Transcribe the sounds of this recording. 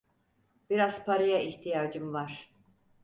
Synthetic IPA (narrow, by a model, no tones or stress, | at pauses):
b̥iɾaz̥pʰaɾɯjaiçt̪ʰijaːd͡ʒɯmvaɾ̥